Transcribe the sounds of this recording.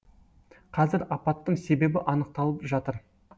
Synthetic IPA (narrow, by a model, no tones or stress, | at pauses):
qʰɑzɪɾɑpɑt̪ːəɴse̞be̞bɪʔɑnəq̚t̪ɑlˠəpʒɑt̪əɾ